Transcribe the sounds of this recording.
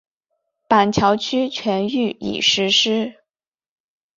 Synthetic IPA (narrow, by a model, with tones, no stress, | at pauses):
pa˨˩nt͡ɕʰjɑ˧˥ʊt͡ɕʰy˥t͡ɕʰɥɛ˧˥ny˥˩ḭ˨˩ʂɻ̩˧˥ʂɻ̩˥